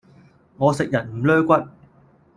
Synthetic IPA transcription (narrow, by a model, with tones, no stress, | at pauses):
ŋɔː˨˧sɪ˨k̚jɐ˨˩nm̩˨˩lœː˥kʷɐ˥t̚